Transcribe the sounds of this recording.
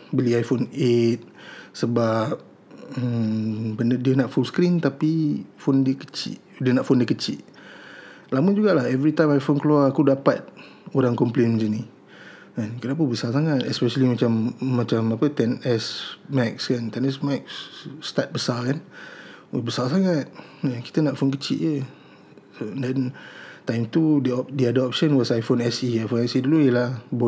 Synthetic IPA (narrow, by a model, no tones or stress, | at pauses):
bəliajfonet̪̚səbap̚ | əmbəndədiənaʔfulskɾint̪apifondəkə̥t͡ʃḭʔ | diənaʔfondiəkət͡ʃḭʔ | laməd͡ʒuɡaʔlahɛvɾit̪ajmajfonkəluaakudapat̪̚ | oɾaŋkɔmplenməd͡ʒəni | ənkənap̬unbəsasaŋat̪̚ɛspɛʃəlimat͡ʃamːãt͡ʃamapət̪ɛnɛsmɛkskant̪ɛnɛsmɛk̚sːt̪at̪̚bəsakanwbəsals̬aŋat̪̚ | əki̥t̪ənaʔfonkət͡ʃḭʔjə | ondɛnt̪ajmt̪udəɔdiadɔɔp̚ʃənwɔsajfonɛsiajfonɛsidulujəlahbo